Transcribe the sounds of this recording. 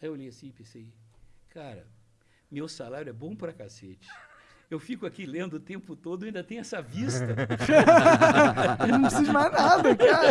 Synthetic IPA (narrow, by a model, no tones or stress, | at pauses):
aewolejɐsĩɪpẽsejkʰaɾɐ̰ | mewsalaɾjʊɛbõpɾɐkaset͡ʃɪ̥ | ewfikʊakilẽnd̪ʊːt̪ẽpʊt̪od̪ʊaĩnd̪ɐt̪ẽj̃ɛsɐvist̪ɐ | nɐ̃w̃pɾesizʊmajznad̪ɐkaɾ